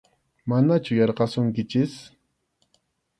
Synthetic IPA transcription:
manat͡ʃʊjɑɾqɑsʊŋkɪt͡ʃɪs

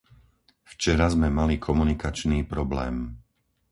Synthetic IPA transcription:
ft͡ʃɛɾazmɛmalikʰɔmunikat͡ʃniːpɾɔblɛːm

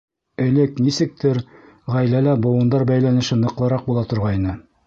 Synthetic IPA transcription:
ɘ̆lɘknisɘ̆k̚t̪ɘɾ | ʁæjlælæbŏwɤ̆nd̪ɑɾbæjlænɘ̆ʃɘnɤ̆qlˠɤ̆ɾɑq̚bulˠɑt̪ŏɾʁɑinɤ

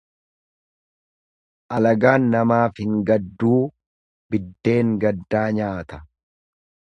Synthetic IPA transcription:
ʔɐlɐɡaːnːɐmaːfhɪŋɡɐd̪ːuː | bɪd̪ːe̞ːŋɡɐd̪ːaːɲaːt̪ɐ̥

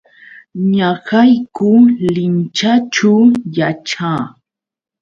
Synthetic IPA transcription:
ɲaɢajkʊlɪnt͡ʃat͡ʃawjaʈ͡ʂaː

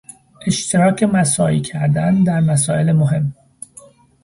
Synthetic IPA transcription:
ʔe̞ʃt̪ʰeɾɒːcʰe̞mæsɒːḭːcʰæɾd̪ænd̪æɾmæsɒːe̞lemoɦe̞mː

